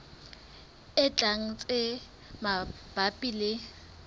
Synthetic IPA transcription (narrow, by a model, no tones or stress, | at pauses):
ɪt͡ɬʼaŋ̩t͡sʼɪ | ma | b̥apʼilɪ